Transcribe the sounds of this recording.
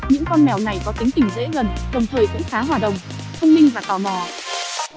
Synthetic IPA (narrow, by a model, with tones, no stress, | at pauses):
ɲɨ̰˧˥ŋkɔ˧nmɛ˨˩wna˨˩jkɔ˨˦t̪i˨˦ŋt̪ï˧˩ŋ̟zḛ˧˥ɣə˨˩nɗə˨˩wŋ͡mt̪ʰəː˨˩jkʊ̰˧˥ŋ͡mxaː˨˦ɦwaː˨˩ɗə̰˨˩wŋ͡mt̪ʰə˧wŋ͡mlï˧ŋ̟vaː˨˩t̪ɔ˨˩mɔ˨˩